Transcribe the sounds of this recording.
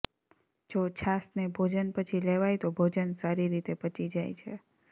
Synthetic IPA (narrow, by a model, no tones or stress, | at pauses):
d͡ʒot͡ʃʰasnebʱod͡ʒənpət͡ʃʰileʋajt̪obʱod͡ʒənsaɾiɾit̪epət͡ʃid͡ʒajt͡ʃʰḛ